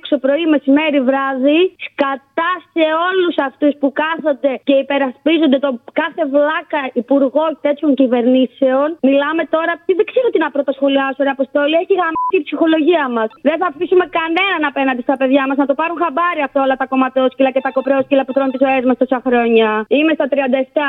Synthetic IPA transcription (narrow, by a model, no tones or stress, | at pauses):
kso̞pɾo̞ime̞sime̞ɾivɾɐðiskɐt̪ɐse̞o̞lusɐft̪uspukɐθond̪e̞ce̞ipe̞ɾɐspizond̪e̞t̪o̞kɐθe̞vlɐkɐipuɾɣo̞t̪e̞t̪çoɲcive̞ɾnise̞onmilɐme̞t̪o̞ɾɐt̪iðeɡ̥zeɾuot̪inɐpɾot̪ɐsxo̞liɐsoɾiɐpost̪o̞lieçiɣɾɐmit̪ipsixo̞loʝiɐmɐsðe̞nθɐfisume̞kɐne̞nɐnɐpenɐnd̪est̪ɐpe̞ðʝɐmɐznɐt̪opɐɾunxɐbɐɾiɐft̪ao̞lɐt̪ɐko̞mɐt̪o̞scilɐcet̪ɐko̞pɾeo̞scilɐput̪ɾount̪izoe̞zmɐst̪o̞sɐxɾo̞ɲɐime̞st̪ɐt̪ɾiɐnd̪ɐeft̪ɐ